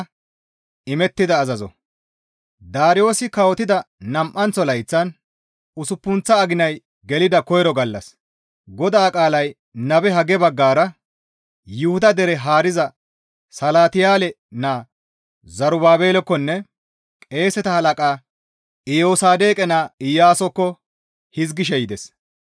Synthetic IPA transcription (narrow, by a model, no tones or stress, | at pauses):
ɪmɛt̪ːɪd̪ɐːzɐzɔ̰ | d̪aːɾɪjo̞ːsɪkɐwɔt̪ɪd̪ɐnɐmʔːɐnt͡sːɔlɐjt͡sːɐn | ʊsʊpːʊnt͡sːɐːɡɪnɐj | ɡɛlɪd̪ɐkɔjɾɔɡɐlːɐ̰s | ɡɔd̪aːkʼaːlɐj | nɐbɛɦɐɡɛbɐɡːaːɾɐ | jʊhʊd̪ɐd̪ɛɾɛɦaːɾɪzɐ | sɐlaːt̪ɪjaːlɛ | naː | zɐɾʊbaːbe̞ːlɔkːɔnːɛ | kʼe̞ːsɛt̪ɐhɐlɐkʼaː | ɪjoːsaːd̪e̞ːkʼɛnaːɪjːaːsɔkːɔ | hɪzɡɪʃ̬ɛjɪd̪ɛs